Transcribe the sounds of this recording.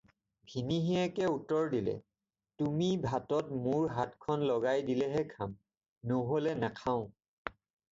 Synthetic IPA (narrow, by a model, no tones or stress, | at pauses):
bʱiniɦiɛkɛutɔɹdilɛ̰ | tumibʱatɔt̚mʊɹɦatkʰɔnlɔɡajdilɛɦɛkʰam | noɦolɛnakʰãʊ̃